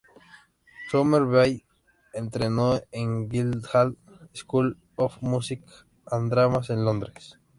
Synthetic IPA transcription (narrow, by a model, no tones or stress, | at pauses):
tomeɾβaj | ẽnt̪ɾenoẽŋɡild̪hal | skul | ofmusik | ãnd̪ɾamasẽnlõnd̪ɾes